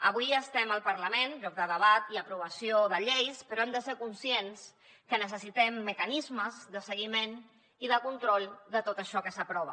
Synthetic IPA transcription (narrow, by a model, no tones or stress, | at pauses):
əβuijəst̪ɛməlˠpəɾləmenʎɔk̚d̪əðəβ̞at̪iəpɾuβ̞əsioðəʎejspəɾɔɛmd̪əseɾkunsjens | kənəsəsit̪ɛmːəkənizməzðəsəɣ̞imen | iðəkunt̪ɾɔlˠd̪ət̪ot̪əʃɔkəsəpɾɔβə